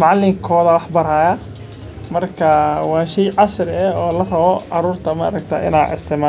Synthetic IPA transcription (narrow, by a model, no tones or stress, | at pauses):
mɑʕlɪŋkʰɔːðɐwɑħbɐɾaːjɐ | mɐrkʰɐwɑːʃɛjʕɑsrɛɔːlɐrɐβɔʔɑɾuːrt̪ʰɐma̰ːɾɐkt̪ʰɐ̰ːʔɪ̰na̰ːɪ̰st̪ʰɪʕma